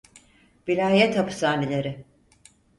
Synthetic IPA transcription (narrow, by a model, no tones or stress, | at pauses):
vilʲaːjɛt̪hapɯ̥saːnelʲe̞ɾɪ